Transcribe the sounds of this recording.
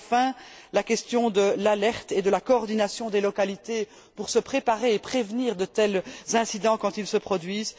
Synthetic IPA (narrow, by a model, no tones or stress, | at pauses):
fɛ̃lakɛst̪jɔ̃d̪əlalɛʁt̪ed̪əlakɔːʁd̪inasjɔ̃d̪elɔkalit̪e | puʁsəpχepaʁeːpχevniːʁd̪ət̪ɛlzɛ̃sid̪ɑ̃kɑ̃t̪ilsəpχɔd̪ɥiːz